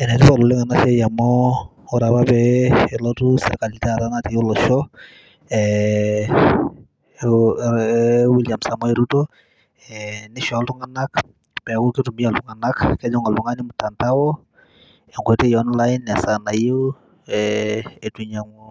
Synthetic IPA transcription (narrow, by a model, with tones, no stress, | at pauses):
ɛ˨nɛ˨tɪ˦pa˨lo˨lɪ˦ŋa˨na˦ʃɛ˦ja˨mɔ˦ | ɔ˦ɾa˨pa˦pɛːlɔtu˦sɛ̰˨rka˨litaɾa˦nate˨o˦lɔ˨ʃɔ | ɛ | wi˦ljamsa˨mɔ˦eɾuto | ɛnɪ˦ʃa˦ltu˦ŋa˨na˦k | pɛ˨ku˦ki˦tu˨mi˦a˨ltu˦ŋa˨na˦kkɛ˦d͡ʒɔ˦ŋa˨lbu˨ŋani˦mu˨tːa˨ntawɔ˦ | ɛ˨ŋɡʷɛ˨te˦jɔnlainːa˨sa˨na˨je˦ | ɛe˨tuɲaŋu